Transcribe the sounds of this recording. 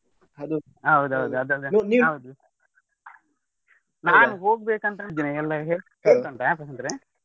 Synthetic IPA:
ɐd̪u | ɐʋud̪uɦɐʋud̪uɐd̪ɐd̪noniːɐʋud̪u | naːnuɦoːɡ̚beːkɐnt̪ɐd͡ʒ̪inɐɛlːɐɦeːɭɦeːɭt̪ɐɳʈɐapɾɐsɐnt̪ɾe

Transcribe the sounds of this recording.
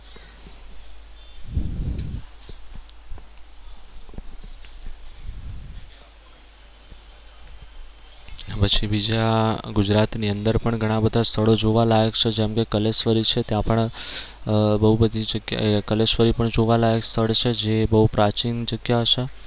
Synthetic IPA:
pət͡ʃʰibid͡ʒaɡud͡ʒɾat̪niənd̪əɾpəɳɡʱəɽ̃ãbəd̪ʱast̪ʰəɭod͡ʒoʋalajəkt͡ʃʰed͡ʒɛmkekəlesfəɾit͡ʃʰet̪jãpəɳ | bəɦubəd̪ʱid͡ʒəɡj̰kəlesfəɾipəɳd͡ʒoʋalajəkst̪ʰəɭt͡ʃʰed͡ʒebəɦupɾat͡ʃind͡ʒəɡjaɦəʃe

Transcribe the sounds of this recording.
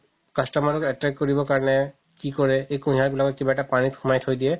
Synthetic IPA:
kastɔmaɹɔkɛtɹɛkːɔɹibɔkaɹɔnɛ | kikɔɹɛejkũɦaɹbilakɔt̚kibaɛtapanitxumajtʰhojdiɛ

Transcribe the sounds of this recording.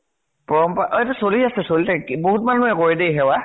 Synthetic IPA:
pɔɹɔmpaʔtɛsoliasɛsolitakiboɦutmanuɛkoɹidejɦɛwa

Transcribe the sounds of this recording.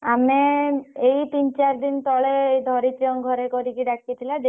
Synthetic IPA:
ameejt̪int͡ɕaɾd̪int̪ɔɭeejd̪ʱɔɾit̪ɾiɔŋɡʱɔɾekoɾikiɖakʰiet̪ʰilad̪

